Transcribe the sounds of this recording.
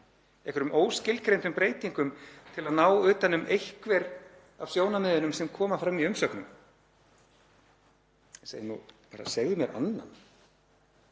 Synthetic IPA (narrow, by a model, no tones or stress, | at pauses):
ɛkvɛɾʏmʔoːwscɪlkɾejmn̥t̪ʏmpɾeːjt̪iŋkʏmt̪ʰɪlaðnaːwʏːt̪anːʏmʔejhkvɛɾ | avsjoːwnamɛːðʏnʏmsɛmkʰɔːmafɾamːiʏmsœknʏm | ɛnsenṵpa̰ːɾa̰sɛɣðʏmjɛɾʔa̰nːa̰n